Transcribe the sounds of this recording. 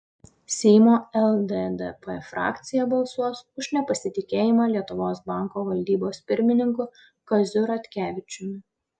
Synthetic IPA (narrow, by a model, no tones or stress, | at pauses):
sʲɛjmoːɛlˠd̪ed̪ɛpɛfɾɑ̰ːkt̪sʲɪjɛbɐlˠsuɔsʊʒnʲɛpɐsʲɪt̪ʲɪkʲeːjɪmɑːlʲiɛt̪ʊʋoːs̬bɑˑŋˑkoːʋɐlʲd̪ʲiːboːspʲɪɾʲmʲɪnʲɪŋkʊ | kɐzʲʊɾɐt̪ʲkʲæːʋʲɪt͡ʃʲʊmʲɪ